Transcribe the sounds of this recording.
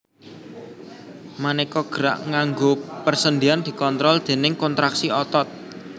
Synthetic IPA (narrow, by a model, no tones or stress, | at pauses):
manekɔɡ̥əɾa̰ʔŋaŋɡopərsənd̪iand̪̥i̤kɔnt̪ɾɔld̪̥e̤nɪŋkɔnt̪ɾaksiɔt̪ɔt̪̚